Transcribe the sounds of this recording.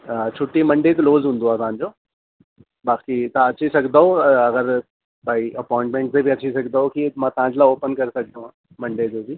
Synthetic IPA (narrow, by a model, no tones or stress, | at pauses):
t͡ɕʰʊʈːimɐ̃ɳɖek̪loːzɦũːnd̪oaːsãːɲd͡ʑoː | baːkit̪ãɐt͡ɕʰisɐkʰd̪aɦoɐɣəɾ | baːiʔɐpɔːɪ̃ɳʈmẽɳʈ̚sebʱiɐt͡ɕʰisɐkʰd̪aɦokimãːt̪ɐɦãd͡ʑlaoːpənkɐɾesɐk̚ʰd̪õãː | mɐ̃ɳɖed͡ʑoːbʱi